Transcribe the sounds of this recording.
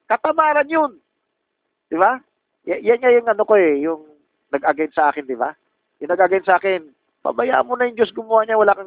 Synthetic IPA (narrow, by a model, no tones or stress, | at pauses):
kɐt̪ɐmaːɾɐnjon | d̪̥ɪβa | jajanŋajʊŋɐnokoɛjʊŋ | nɐɡʔɐɡajnsɐʔaːkɪnd̪ɪba̰ | jʊŋnɐɡ̚ʔaɡajnt̪sɐʔaːkɪn | pɐ̰bɐja̰ʔɐ̰nmonɐjʊŋd͡ʒo̞sɡʊmɐwaːɲawɐlaːkɐŋ